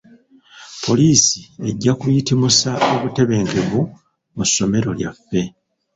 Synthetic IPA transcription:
pʰo̞liːsie̞ɟːakujitimusaʔo̞βute̞βe̞ːŋɡe̞βu | musːo̞me̞ɾo̞ljafːe̞

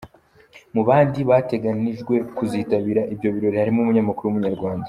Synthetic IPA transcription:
muβaːndiβate̞ɡaniʒɡwe̞kuziːtaβiɾaʔibjo̞βiɾo̞ɾihaɾimumuɲamakuɾuwumuɲaɾɡwaːndḁ

